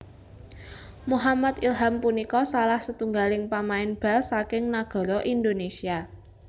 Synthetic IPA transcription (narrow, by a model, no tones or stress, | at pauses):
muɦamat̪ilɦampunikɔsalahsət̪uŋɡalɪŋpamaɪnb̥a̤lsakɪŋnaɡ̥ɔ̤ɾɔʔind̪onesia